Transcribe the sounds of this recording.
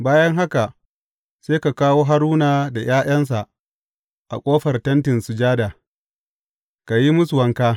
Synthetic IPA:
baː˦jɐ˦ŋɦa˦ka˨ | seː˦ka˨kaː˦woː˦ɦa˦ɾuː˦naː˨da˨jaː˦j̰ɐ˦ns̬a˨ʔ | ʔa̰˨kʷʼoː˦ɸɐ˨rtɐ˦ntɪ˨nsu˨d͡ʒaː˦da˨ | ka˨ji˦mʊ˦sʊ˨wɐ˦ŋkaː˦

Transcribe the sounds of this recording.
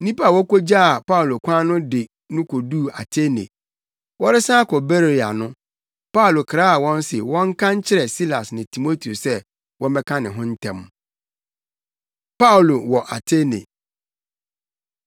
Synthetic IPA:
nĩ˦pa˦˨wɔ˦ko˦d͡ʑa˦a˨pa˦u˨lo˨kʷʰã˦nʊ̃˦dɪ˨ | nʊ̃˦kʰo˨du˦˨a̰˨tʰe˦nḛ˨ | wɔ˦ɾɪ˦sã˦kʰɔ˨be˦ɾa̰˨nʊ̃˦ | pa˦u˨lo˨kʰɾaː˦a˨wɔ̃˦n˦sɪ˨wɔ̃˦ŋ̩˦kʰã˦ɲ˦t͡ɕʰɪ˦ɾɛ˨si˦la˨snɪ̃˨tʰi˨mo˦tʰi˨o˨sɛ˦ | wʔɔ̃˦m˦bɛ˦kʰã˦nɪ̃˨ɦʊ̃˦n̩˦tʰɛ̃˦m˦ | pa˦˨lo˨wɔ˨ʔa˨tʰe˦nḛ̃˨

